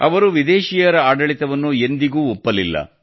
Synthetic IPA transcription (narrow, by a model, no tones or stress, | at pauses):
ɐ̰ʋɐɾuʋid̪eːʃiːjɐɾɐaːɖɐɭit̪ɐʋɐnːue̞nd̪iɡuːɔpːɐlilːɐ̰